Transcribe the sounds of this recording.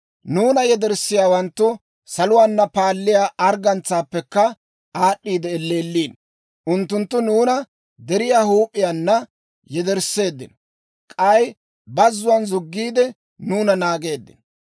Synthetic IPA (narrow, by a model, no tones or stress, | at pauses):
nuːnɐjɛd̪ɛɾsːɪjaːwɐnt̪ːʊ | sɐlʊwaːnːɐpaːlːɪjaːʔɐɾɡɐnt͡sːaːpːɛkːɐ | aːɗːiːd̪ɛːlːe̞ːlːiːn | ʔʊnt̪ːʊnt̪ːʊnuːnɐ | d̪ɛɾɪjaːhuːpʼːɪjanːɐ | jɛd̪ɛɾsːe̞ːd̪ːɪ̰n | kʼɐj | bɐzːʊwɐnzʊɡːiːd̪ɛ | nuːnɐnaːɡe̞ːd̪ːɪ̰n